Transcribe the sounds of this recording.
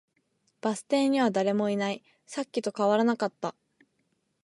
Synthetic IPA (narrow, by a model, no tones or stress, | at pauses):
b̥asɨ̥t̪ẽ̞ɲ̟iβ̞ad̪aɾe̞mo̞inai | sakʲːit̪o̞kaβaɾanakat̪ːa